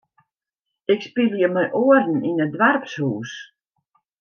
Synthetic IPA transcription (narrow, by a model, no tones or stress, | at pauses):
ɪkspiljəmɛjʔoərn̩inədʋarpshuːs